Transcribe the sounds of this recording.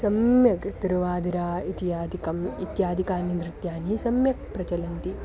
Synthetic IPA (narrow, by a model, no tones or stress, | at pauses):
sɐmjɐkt̪iɾʋaːd̪iɾaːit̪iaːd̪kɐmit̪jaːd̪ʱikaːnind̪ɾɪt̪jaːnisɐmjɐk̚pɾɐt͡ʃɐlɐnt̪i